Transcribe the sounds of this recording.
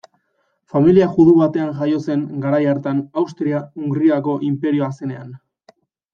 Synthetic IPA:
familiaʝuðuβat̪e̞aŋʝajo̞se̞ŋɡaɾajaɾt̪anawst̪ɾiauŋɡɾiako̞ʔimpe̞ɾio̞ase̞ne̞an

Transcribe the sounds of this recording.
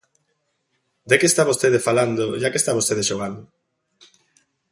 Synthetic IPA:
d̪ekeːst̪aβost̪eðefaland̪oʒakest̪aβost̪eð̞eʃoɣ̞and̪o

